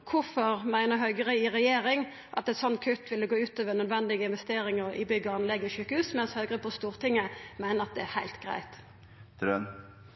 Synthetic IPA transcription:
kʰʊfɔɾmæɪnəɦœʏɡəʁəɪʁɛjeːɾɪŋ | ʔɑ̰t̪ɛt̪sɔnːkʰʉt̪ːʋɪlːəɡoːʉːt̪øːʋənœd̪ʋɛnd̪ɪɡəɪnʋɛst̪eːɾɪŋəɾɪ̰bʏɡəɑnlɛɡːɪçʉːkəhʉːsmɛnshœʏɡəɾəpʰɔst̪uːʁt̪ɪŋːəmæɪnəɾɑt̪̚d̪ɛæhæɪlt̪ɡ̥ɾæ̰ɪt̪ | d̪ɾœn

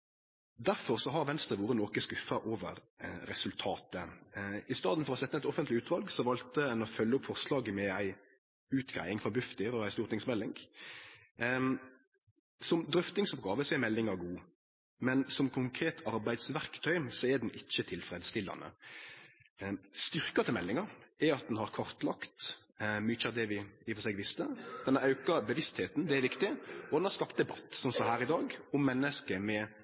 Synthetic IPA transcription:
d̪æɾfɔʁsɔɦɑɾʋɛnst̪ʁəʋuːɾənɔkəskʉfɑʔoːʋə̰ɾː | ɛsʉlt̪ʰɑːt̪əɪst̪ɑːd̪n̩fɔʁɔsɛt̪ːəɛt̪ɔfənt̪lɪʉːt̪ʋɑlɡsɔʋɑlt̪əɛnɔfœlːəʊpfɔʁslɑːɡəmɛæɪ | ʉːt̪ɡʁæ̰ɪɪŋfʁɔbʉft̪ɪɾɔæɪst̪uːʁt̪ɪŋsmɛlːɪŋɡ | sɔmd̪ɾʏft̪ɪŋsɔp̚ɡɑːʋəsɛmɛlːɪŋɑɡuː | mɛnsɔmkʰʊŋkʰɾeːt̪ʰɑɾbæɪd̪sʋæɾkt̪ʰœʏmsɔɛd̪ɛnʔɪc͡çːət̪ʰɪlfɾeːd̪əst̪ɪlːɑ̰nə̰ | st̪ʏɾkɑt̪ʰɪlmɛlːɪŋɑɾɛɑt̪̚d̪ɛnhɑɾkʰɔɾt̪lɑkt̪myːt͡ʃɑd̪ɛʋɪɪfɔsɛːɡʋɪst̪əd̪̥ɛnɑʉkɑbəʋɪst̪heːt̪n̩d̪ɛæɾʋɪkt̪ɪɔd̪ɛnhɑɾskɑpt̪̚d̪ɛbɑt̪ːsɔmsɔɦæːɾɪd̪ɑːɡʊmːɛnːəskəmɛ

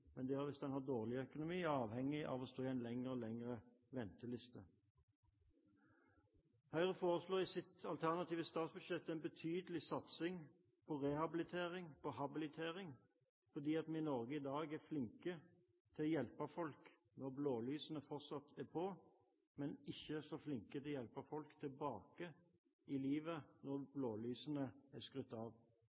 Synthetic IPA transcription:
mɛnd̪æːæːʁʋɪsd̪ɛnhɑʁd̪oːʁlɪœkʊnʊmiːɑːʋhɛŋːɪʔɑ̰ʋɔst̪oːæɪnlɛŋəɾɔlɛŋəʁə | ʋɛnt̪əlɪst̪ə | hœʏʁəfoːʁəsloːɪsɪt̪ɑlt̪ʰæʁnɑt̪iːʋəst̪ɑːt̪sbʉd̪ʃɛpt̪ɛɪnbət̪ʰyːd̪əlɪsɑt̪sɪŋ | pʰɔʁɛhɑbɪlɪt̪ʰeːʁɪŋpʰɔɦɑbɪlɪt̪ʰeːʁɪŋ | fɔʁd̪iːɑt̪mɛnɪnɔɾɡəɪd̪ɑːɡæʁflɪŋkə | t̪ʰɪlɔjɛlpɑfɔlk | nɔʁbloːlyːsənəfɔʁt̪sɑt̪ʰæʁpʰɔ | mɛnɪçːəsɔflɪŋkət̪ʰɪljɛlpɑfɔlkt̪ʰɪlbɑːkə | ɪliːʋənɔʁbloːlyːsənəæskʁʉt̪ːɑʋ

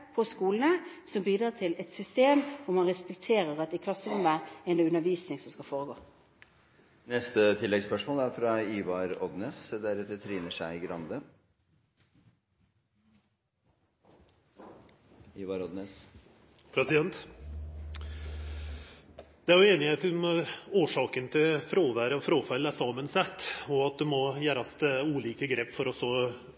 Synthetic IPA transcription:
pʰɔskuːlən̩əsɔmbiːd̪ɾɑːt̪ʰɪlɛt̪sʏst̪eːmɔmhɑnʁɛspɛk̚t̪ʰeːɾəʁɑt̪ɪkʰlɑsːəʊmʋəɛnd̪ɑʉnəʋiːsnɪŋsɔmskɑlfoːʁəɡoː | nɛst̪ət̪ʰɪlːɛɡspœʂmoːlæɾfɾɑiːʋɑɾɔd̪neːsd̪æɾɛt̪ːət̪ʰɾiːnəʂæɪɡɾɑnd̪ə | iːʋɑɾɔd̪nes | pʰɾɛsɪd̪ɛnt̪ | d̪̥ɛæɾjʊeːnɪheːt̪moːʂɑːkənt̪ʰɪlfɾoːʋæːɾəɔfɾoːfælːæsɑːmənsæt̪ːɔɑt̪̚d̪ʉmɔjæːɾɑst̪əuːliːkəɡɾeːpːfɔɾɔsɔ

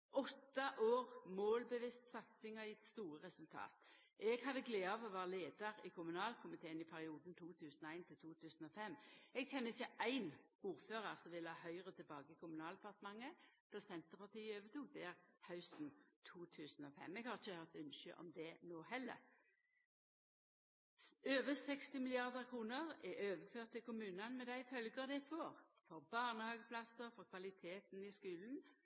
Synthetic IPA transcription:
ʔɔt̪ːɑʔoːʁmoːlbəʋɪst̪sɑt̪sɪŋəɪt̪st̪uːʁəʁɛsʉlt̪ʰɑ̰ːt̪ | ʔɛɡhɑd̪əɡleːɑːʋɔʋɑːʁəleːd̪ɑʁɪkʰʊmʉnɑːlkʰʊmɪt̪ʰeːənɪpʰæʁɪuːd̪nt̪ʰuːt̪ʰʉːsənɔæɪnt̪ʰɪlt̪ʰuːt̪ʰʉːsn̩ɔfɛmːɛɡçɛnːəɪçːəʔæɪn | uːɾføːʁəʁsɔmʋɪlɑːhœʏʁət̪ʰɪlbɑːɡəɪkʰʊmʉnɑːld̪ɛpɑʁt̪əmɑŋːəp̪ʰɔsɛnt̪əʁpɑʁt̪ʰiːøːʋət̪ʰuːd̪ɛæʁhɑʉsn̩t̪ʰuːt̪ʰʉːsn̩ɔfɛ̰mːɛɡhɑːʁɪçəhœʁt̪ʉnʃəʔɔ̰md̪ɛnoːhɛlːə̰ʁ | øːʋəsɛkst̪ɪmɪlɪɑʁd̪əʁkʰʁuːnəʁɛʔøːʋəføːʁt̪ʰːɪlkʊmʉːnɑnmɛd̪æɪfœlɡəʁd̪æɪfɔːʁfɔʁbɑːʁnəhɑːɡəpʰlɑsəɾfɔʁkʰʋɑlɪt̪ʰeːt̪n̩ɪskʉːln̩

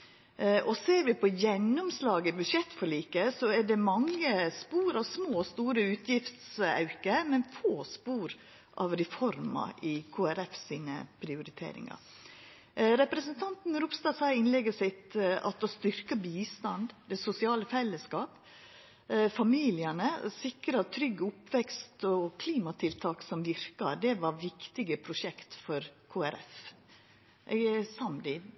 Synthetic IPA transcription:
ʔɔseːɾʋɪpʰɔjɛnːʊmslɑːɡəbʉʂɛt̪ːfɔɭiːkəsɔɛɖɛmɑŋːəspuːɾɑʋsmoːst̪uːɾəʉːt̪ʰjɪft̪sɑ̰ʉkəmɛnfoːspuːɾ | ʔɑ̰ʋɾɛfɔɾmɑ̰ʔɪkʰoːæɾɛfsiːnə̰pʰɾɪʊɾɪt̪ʰḛːɾɪ̰ŋɑ̰ | ɾɛpɾɛsənt̪ʰɑnt̪n̩ɾʊpst̪ɑːsɑɪnlɛɡəsɪt̪ɑ̰t̪ost̪ʏɾkəbiːst̪ɑnd̪d̪ɛsʊsɪɑːləfɛlːəskɑːp | fɑmiːlɪənəsɪkɾɑt̪ʰɾʏɡːəʊpːʋɛkst̪ɔkʰliːmɑt̪ʰɪlt̪ʰɑːksɔmʋɪɾkɑd̪ɛʋɑɾʋɪkt̪ɪɡəpʰɾʊʂɛkt̪fɔɾkʰoːæɾɛ̰f | ʔɛsɑmd̪ɪ

